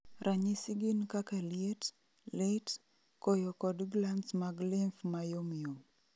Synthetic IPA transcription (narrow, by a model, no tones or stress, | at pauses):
ɾʔaɲisiɡinkakaliet | let | kojɔkɔdɡlansmaɡlimfmajomijom